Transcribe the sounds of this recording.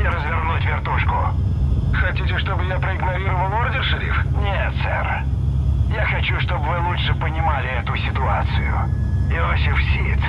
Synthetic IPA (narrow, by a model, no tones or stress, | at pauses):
ɪɾəzvʲɪrnutʲvʲɪrt̪uʂkʊ | xɐtʲitʲɪʂt̪o̞bɨjapɾəɪɡnɐɾʲiɾəvəlˠoɾd̪ʲɪʂɨɾʲḭfnʲet̪sɛ̰r | jaxɐt͡ɕuʂt̪o̞bvɨlˠuʂɨpənʲɪmalʲɪɛt̪ʊsʲɪt̪ʊat̪sɨjʊ̰ɪosʲɪfsʲit̪